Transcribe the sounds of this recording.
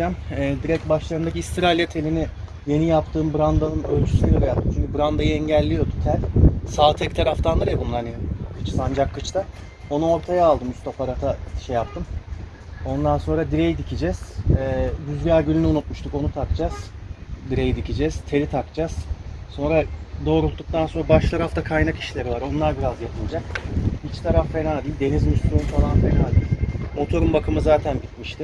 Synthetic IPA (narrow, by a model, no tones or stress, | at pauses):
d͡ʒamɛːd̪iɾɛc̚baʃlˠaɾɯnd̪aciist̪ʰiɾalʲjat̪ʰe̞lʲinɪ | je̞nijapt̪ʰɯːmbɯɾand̪anɯnølʲt͡ʃʰy̥sʲyɡaɾajat̪muʃmbɯɾand̪ajɯɛɲɟælʲːijo̞d̪ut̪ʰæɾʲsaːt̪ʰɛkt̪ʰaɾaft̪ʰand̪ɯɾjabunlˠaɾnikʰɯt͡ʃsand͡ʒakʰːɯt͡ʃt̪ʰa | o̞nuo̞ɾt̪ʰajaaːlˠd̪ɯmyst̪ʰopaɾat̪ʰaʃɛjapt̪ʰɯm | o̞nd̪anso̞nɾad̪iɾejid̪icʰid͡ʒɛz̥ɛːbyzɡæɾɟylʲynyunut̪̚muʃt̪ʰuko̞nut̪ʰakt͡ʃʰaz̥d̪iɾe̞jid̪icid͡ʒɛz̥t̪ʰe̞lʲit̪ʰakt͡ʃʰaz̥so̞nɾad̪o̞ːɾulˠt̪ːuk̚t̪ʰanso̞nɾabaʃlˠaɾaft̪ʰakʰajnaki̥ʃlʲe̞ɾivaɾo̞nlˠaɾbiɾazjapʰɯlˠd͡ʒakit͡ʃt̪ʰaɾafːe̞naːd̪iːlʲd̪e̞nizmysuunfalˠanfenaːd̪iːlʲmo̞t̪ʰo̞ɾumbakʰɯmɯzaːt̪ʰænbit̪miʃt̪ɪ